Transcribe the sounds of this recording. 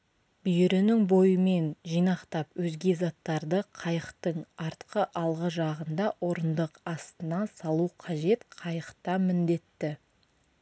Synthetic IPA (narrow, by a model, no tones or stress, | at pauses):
b̥ʏjɪɾɪnɪŋbo̞jəme̞nʒijnɑqt̪ɑpwɵzɡʲe̞zɑt̪ːɑɾd̪əqʰɑjəqt̪əɴɑɾt̪qəʔɑlˠʁəʒɑʁənd̪ɑʔo̞ɾənd̪əqɑst̪ənɑnsɑlˠuqʰɑʒe̞t̪qʰɑjəqt̪ɑmɪnd̪e̞t̪ːɪ